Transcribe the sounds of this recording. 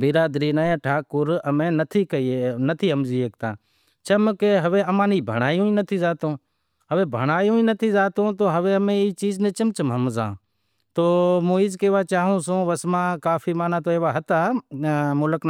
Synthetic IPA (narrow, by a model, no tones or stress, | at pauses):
bɪɾaːd̪ɾiːnaːãːʈʰaːkʊɾəmẽːnət̪ʰiːkəinət̪ʰiːɦəmziːeːk̚t̪ã̰ː | t͡ʃəmkeɦəʋeːəmãːniːbʱə̰ɽ̃aːjũːĩːnət̪ʰiːzaːt̪õː | ɦəʋeːbʱə̰ɳ̃aːjõːĩnət̪ʰiːzaːt̪õːt̪oːɦəʋẽːəmẽiːt͡ʃiːznẽːt͡ʃəmt͡ʃəmɦəmzã̰ː | t̪oːmoːiːzkeːʋaːt͡ʃaːɦõːsõːʋəsmãːkaːfiːmaːnãːt̪oːeːʋaːɦət̪aː | mʊləkn